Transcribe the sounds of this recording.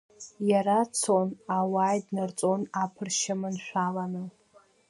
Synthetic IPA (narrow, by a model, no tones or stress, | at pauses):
jaɾat͡sʰonawaːjdnɨrt͡sʼonapʰɨrʃamɨnʃᶣʷalanɨ